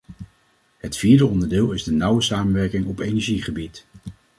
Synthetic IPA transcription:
ɦətfiːɹdəɔndəɹdɪːlˠɪzdənʌwəsaːmənʋɛɹkɪŋɔpejnɛɹʒiχəbit

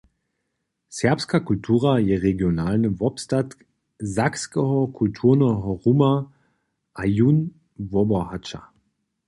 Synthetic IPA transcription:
sɛɐpskakultʰuːʁajɛʁeɡjonaːlnəvɔpstat | zakskɛɦɔkʰultʰuːʁnəɦɔʁuma | ʔajun | vɔbɔhat͡ʃa̰

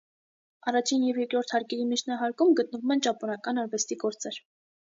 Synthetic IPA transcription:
ɑrɑt͡ʃʰinjɛvjɛɾkɾɔɾt̪ʰhɑɾkɛɾimit͡ʃʰnɑɦɑɾkumɡət̪̚nəvumɛnt͡ʃɑpɔnɑkɑnɑɾvɛst̪iɡɔɾt͡sɛɾ

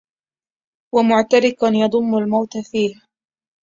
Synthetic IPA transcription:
wamʊʕt̪aɾɪkʊnjɑd̪ˤʊmːʊlmawt̪afiːh

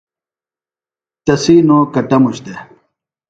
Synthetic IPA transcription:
t̪ɐsiːnoːkɐʈɐmuɕd̪e

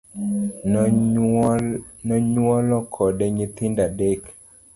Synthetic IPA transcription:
nɔɲwɔlɔkʰɔdɛɲɪt̪indadek

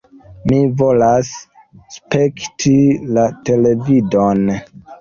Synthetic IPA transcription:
mivo̞las | spektʰilate̞le̞vidon

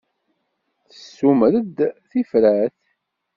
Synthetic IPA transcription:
θə̥sːumɾəd̪θifɾəθ

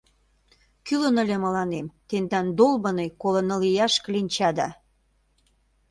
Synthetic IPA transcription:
kylə̆nə̆lʲemə̆lɑnemt̪end̪ɑnd̪olbɤnejkolɤ̆nɤlijɑʃklinʲt͡ɕɑd̪ɑ̰

